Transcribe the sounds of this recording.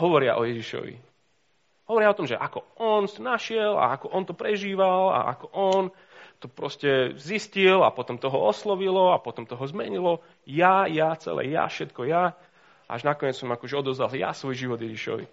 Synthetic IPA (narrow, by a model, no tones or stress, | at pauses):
ɦɔʋɔɾɪaʔɔjɛʒiʃɔ̰ʋḭ | ɦɔʋɔɾɪaɔt̪ɔmʒɛʔakɔɔnsnaʃɪɛla̰akɔʔɔnt̪ɔpɾɛʒiːʋala̰ʔa̰kɔʔɔn | t̪ɔpɾɔscɛziscilapɔt̪ɔmt̪ɔɦɔɔslɔʋilɔapɔt̪ɔmt̪ɔɦɔzmɛɲilɔ | jajat͡sɛ̰lɛ̰ːja̰fʃɛt̪kɔja | ʔa̰ʒnakɔɲɪɛt͡ssɔmakɔʒɛɔd̪ɔzdalja̰sʋɔjʒiʋɔd̪jɛʒiʃɔ̰ʋḭ